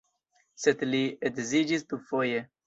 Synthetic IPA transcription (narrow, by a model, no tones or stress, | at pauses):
sed̪liedzid͡ʒist̪ufoje